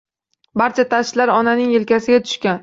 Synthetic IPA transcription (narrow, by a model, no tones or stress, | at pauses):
baɾt͡ʃʰat̪ʰaʃlaɾɒnanɪŋɪlkʲʰasɪɡʲat̪ʰʊ̥ʃkʲan